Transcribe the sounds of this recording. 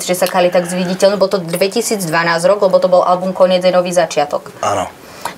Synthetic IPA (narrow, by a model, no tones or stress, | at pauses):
t͡sʒɛsakalit̪aɡzʋiɟicɛlnɛbɔlt̪ɔd̪ʋɛcisiːd͡zd̪ʋanaːzɾɔɡlɛbɔt̪ɔbɔlʔa̰lbumkɔɲɪɛd͡zajnɔʋiːzat͡ʃɪat̪ɔka̰nɔ̰